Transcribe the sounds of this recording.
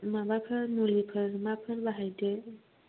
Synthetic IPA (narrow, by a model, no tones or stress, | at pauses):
mabakʰəɾnolikʰəɾmakʰəɾbaɦajde